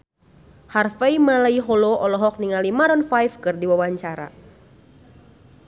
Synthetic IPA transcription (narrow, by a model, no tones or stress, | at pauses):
harfaimalaiɦɔlɔʔɔlɔɦɔk̚niŋalimaɾɔnfajfkɨrdiwawaɲt͡ʃaɾa̰